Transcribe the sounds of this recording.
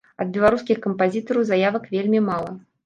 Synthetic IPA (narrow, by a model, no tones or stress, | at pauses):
ɐd̪̚bʲɛlˠaɾuskʲixkɐmpazʲit̪ɐɾɐwzajavɐkvʲelʲmʲimalˠɐ